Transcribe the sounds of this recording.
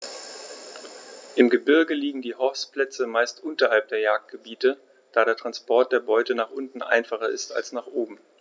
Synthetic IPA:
ʔɪmɡəbɪɐɡəliːɡŋ̩diːhɔspl̥ɛt͡səmaɪstʔʊntɐɦalp̚d̥eːɐjaːk̚t̚ɡ̥əbiːtə | d̥aːɾeːɐtʁ̥anspʰɔɐt̚d̥eːɐbɔʏtənaːχʔʊntn̩ʔa̰ɪnfaχɐʔɪ̰sta̰lsnaːχʔoːbm̩

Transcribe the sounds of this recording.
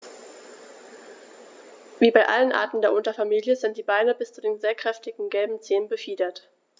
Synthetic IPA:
viːbaɪʔa̰lənʔa̰ɐtn̩deːɐʔʊntɐfamiːljəzɪntd̥iːbaɪnəbɪst͡sudeːnzeːɐkʁ̥ɛftɪɡŋ̩ɡɛlbm̩t͡seːənbəfiːdɐt

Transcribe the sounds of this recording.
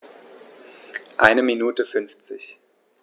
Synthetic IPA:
ʔa̰ɪnəminuːtəfʏnft͡sɪç

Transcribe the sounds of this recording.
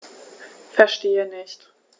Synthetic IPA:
fɛɐʃteːənɪçt

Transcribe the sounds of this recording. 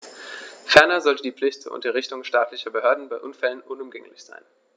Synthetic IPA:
fɛɐnɐzɔltədiːp͡fflɪçtt͡suːɐʊ̰ntɐʁ̞ɪçtʊŋʃtaːtʰlɪçɐbəhøːɐdn̩baɪʔʊnfɛlənʔʊnʊmɡɛŋlɪçz̥a̰ɪn

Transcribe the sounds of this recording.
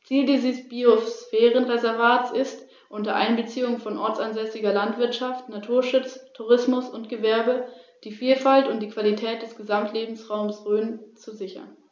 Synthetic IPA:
t͡siːldiːzəsb̥iosfɛːʁənʁezɛɐvaːtsɪst | ʔʊntɐʔa̰ɪnbət͡siːʊŋəfɔnʔɔɐt͡sanzɛsɪɡɐlantv̥ɪɐtʃaftnatʰuːɐʃʊt͡stʰuʁ̞ɪsmʊsʊntɡ̥əvɛɐbəd̥iːfiːlfaltʊnt̚d̥iːkv̥alitʰɛːt̚d̥ɛsɡ̥əzamtʰleːbm̩sʁaʊmsʁøːnt͡suzɪçɐ̰n

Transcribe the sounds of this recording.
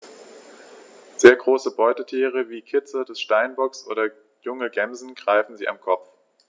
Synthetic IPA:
z̥eːɐɡʁoːsəbɔʏtətʰiːʁ̞əviːkʰɪt͡sədɛsʃtaɪnbɔksʔo̰ːdɐ | jʊŋəɡɛmzn̩ɡʁaɪfn̩ziːʔa̰mkʰɔp͡f

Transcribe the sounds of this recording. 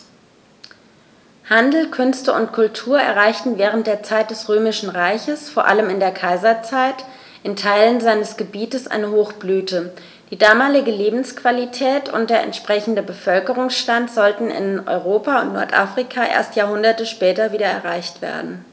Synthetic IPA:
handl̩kʰʏnstəʊ̰ntkʰʊltʰuːɐɛ̰ɐʁaɪçtn̩vɛːʁ̞ənt̚d̥eːɐt͡saɪt̚d̥ɛsʁøːmɪʃn̩ʁaɪçəsfoːɐʔa̰ləmɪndeːɐkʰaɪzɐt͡saɪt | ʔɪntʰaɪlənzaɪnəsɡ̥əbiːtəsʔa̰ɪnəhoːxb̥lyːtə | d̥iːdaːmaːlɪɡəleːbm̩skv̥alitʰɛːtʰʊ̰nt̚d̥eːɐʔɛ̰ntʃpʁ̥ɛçn̩dəbəfœlkəʁ̞ʊŋsʃtantz̥ɔltn̩ɪ̰nɔ̰ʏʁoːpaʊ̰ntnɔ̰ɐtʔa̰fʁ̥ikʰaʔḛːɐstjaːhʊndɐtəʃpɛːtɐviːdɐɛ̰ɐʁaɪçtv̥ḛːɐdn̩

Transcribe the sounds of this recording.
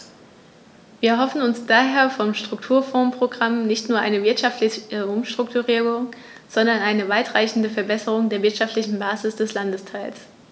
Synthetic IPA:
viːɐɐɦɔfn̩ʊnsd̥aːɦeːɐfɔmʃtʁ̥ʊktʰuːɐfɔ̃ːnpʁ̥oɡʁamnɪçtnuːɐʔaɪnəvɪɐtʃaftlɪçəʔʊmʃtʁ̥ʊktuʁiːʁʊŋ | z̥ɔndɐnʔaɪnəvaɪtʁ̥aɪçn̩dəfɛɐbɛsəʁ̞ʊŋdeːɐvɪɐtʃaftlɪçn̩baːzɪsd̥ɛslandəstʰaɪls

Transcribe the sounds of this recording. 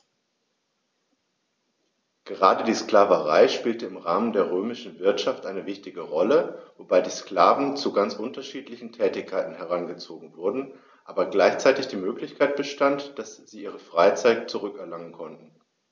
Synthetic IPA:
ɡ̥əʁaːdədiːskl̥aːvəʁa̰ɪʃpiːltəɪmʁaːməndeːɐʁøːmɪʃn̩vɪɐtʃaftʔaɪnəvɪçtɪɡəʁɔləvobaɪdiːskl̥aːvn̩t͡suɡant͡sʔʊntɐʃiːtlɪçn̩tʰɛːtɪçkʰːaɪtn̩hɛʁ̞anɡət͡soːɡŋ̩vʊɐdn̩ | ʔaːbɐɡlaɪçt͡saɪtɪçd̥iːmøːklɪçkʰaɪt̚b̥əʃtantd̥asz̥iːʔiːʁ̞əfʁ̥aɪt͡saɪtt͡suʁʏkɛɐlaŋənkʰɔntn̩

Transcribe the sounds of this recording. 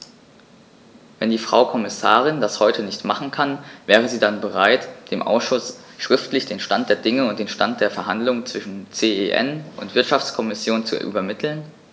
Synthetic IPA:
vɛndiːfʁ̥a̰ʊkʰɔmɪsaːʁ̞ɪndashɔʏtʰənɪçtmaχn̩kʰanvɛːʁ̞əziːdanbəʁ̞aɪtd̥eːmʔa̰ʊsʃʊs | ʃʁ̥ɪftlɪçd̥eːnʃtant̚d̥eːɐdɪŋəʊnt̚d̥eːnʃtant̚d̥eːɐfɛɐɦandlʊŋənt͡sv̥ɪʃn̩t͡seːeʔɛ̰nʔʊ̰ntv̥ɪɐtʃaft͡skʰɔmɪsjoːnt͡sṵʔy̰ːbɐmɪtʰl̩n

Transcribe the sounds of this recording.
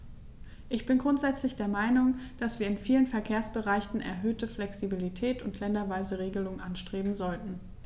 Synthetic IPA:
ʔɪçb̥ɪnɡʁʊntz̥ɛt͡slɪçd̥eːɐmaɪnʊŋd̥asv̥iːɐɪnfiːlənfɛɐkʰeːɐsb̥əʁaɪçn̩ʔɛ̰ɐɦøːtəflɛksibilitʰɛːtʊntʰlɛndɐvaɪzəʁeːɡəlʊŋənʔanʃtʁ̥eːbm̩zɔltn̩

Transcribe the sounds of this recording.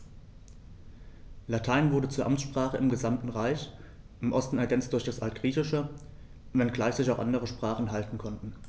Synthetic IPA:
latʰaɪnvʊɐɾət͡suːɐʔamsʃpʁ̥aːχəɪmɡəzamtn̩ʁaɪç | ʔɪmʔɔstn̩ɛɐɡɛnt͡std̥ʊɐçd̥asʔaltɡ̥ʁiːçɪʃə | vɛnɡlaɪçz̥ɪçaʊxʔandəʁəʃpʁ̥aːχn̩ɦaltn̩kʰɔntn̩

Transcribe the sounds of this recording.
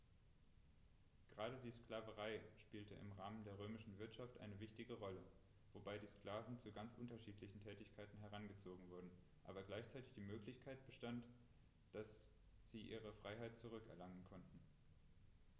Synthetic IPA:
ɡ̥əʁaːɾədiːsklaːvəʁaɪʃpiːltəʔɪ̰mʁaːməndeːɐʁ̞øːmɪʃn̩vɪɐtʃaftʔa̰ɪnəvɪçtɪɡəʁɔlə | v̥obaɪdiːskl̥aːvn̩t͡suɡant͡sʔʊntɐʃiːtʰlɪçn̩tʰɛːtɪçkʰaɪtn̩ɦɛʁanɡət͡soːɡŋ̩vʊɐdn̩ | ʔa̰ːbɐɡlaɪçt͡saɪtɪçd̥iːmøːklɪçkʰaɪt̚b̥əʃtant | d̥as | z̥iːʔiːʁ̞əfʁ̥aɪɦaɪt̚t͡suʁ̞ʏkɛ̰ɐlaŋənkʰɔntn̩

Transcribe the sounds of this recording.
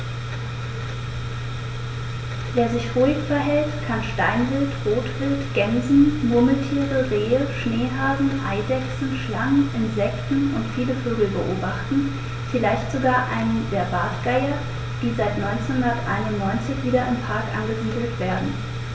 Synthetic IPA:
veːɐzɪçʁuːɪçfɛɐɦɛltkʰanʃtaɪnvɪltʁoːtv̥ɪltɡ̥ɛnzn̩mʊɐməl̩tʰiːʁəʁeːəʃneːɦaːzn̩ʔaɪdɛksn̩ʃlaŋəʔɪnzɛktn̩ʊntfiːləføːɡl̩bəʔoːbaχtn̩ | fɪlaɪçtz̥oɡaːɐʔaɪnəndeːɐbaɐtɡ̥aɪɐ | d̥iːzaɪtnɔʏnt͡senhʊndɐtʔa̰ɪnʊnnɔʏnt͡sɪçv̥iːɾɐɪmpʰaɐkʔanɡəziːdl̩tv̥eːɐdn̩

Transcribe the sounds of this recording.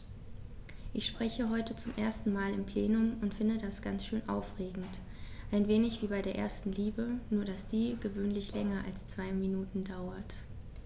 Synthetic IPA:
ʔɪçʃpʁ̥ɛçəɦɔʏtət͡sʊmʔeːɐstn̩maːlɪmpʰl̥eːnʊmʊntfɪndədasɡ̥a̰nt͡sʃøːnʔa̰ʊfʁ̥eːɡŋ̩t | ʔaɪnveːnɪçv̥iːbaɪdeːɐʔḛːɐstn̩liːbənuːɐɾasd̥iːɡ̥əvøːnlɪçlɛŋɐʔa̰lst͡sv̥aɪminuːtn̩daʊɐt

